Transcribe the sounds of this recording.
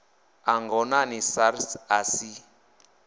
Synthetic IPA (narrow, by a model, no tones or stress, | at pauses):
aŋɡɔnanisaɾsasi